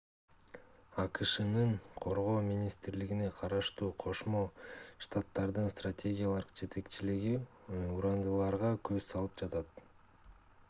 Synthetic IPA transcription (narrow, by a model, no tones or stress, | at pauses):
ɑkɯʃɯnɯɴqʰo̞ɾʁo̞ːmʲinʲist̪ɾliɡine̞qʰɑɾɑʃt̪uːqʰo̞ʃmo̞ʃt̪at̪ːɑɾd̪ɯnst̪ratʲe̞ɡʲijalˠɑ̥qd͡ʒe̞t̪ʰe̞kt͡ʃiliɡi | uɾɑnd̪ɯlˠɑɾʁɑkøzsɑlˠɯp̚d͡ʒɑt̪ɑt̪